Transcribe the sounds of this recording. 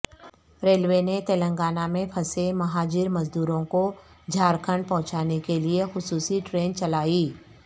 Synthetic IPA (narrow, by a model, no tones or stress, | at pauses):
ɾeːlwenet̪eːlə̃ŋɡaːnamẽpʰɐsemɐɦaːd͡ʒɪɾmɐzd̪uːɾõko | d͡ʒʱaːɾkʰəɳɖ̚pɐ̃ɦʊ̃t͡ʃaːnekeliexʊsuːsiʈɾeːnt͡ʃɐlaːiː